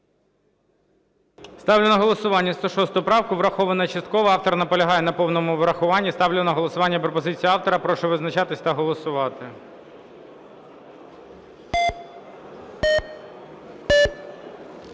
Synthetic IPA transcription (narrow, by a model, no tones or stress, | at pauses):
st̪ɑwlʲʊnɐɦɔlˠɔsʊʋɑnʲːɐst̪ɔʃɔst̪ʊʊpɾɑwkʊʋɾɐxɔʋɐnɐt͡ʃɐst̪̚kɔʋɐɑwt̪ɔrnɐpɔlʲɐɦɑjɛnɐpɔwnɔmʊʋɾɐxʊʋɑnʲːist̪ɑwlʲʊnɐɦɔlˠɔsʊʋɑnʲːɐpɾɔpɔzɪt͡sʲiiɑwt̪ɔɾɐpɾɔʃɛʋɪznɐt͡ʃɑt̪ɪsʲt̪ɐɦɔlˠɔsʊʋɑt̪ɪ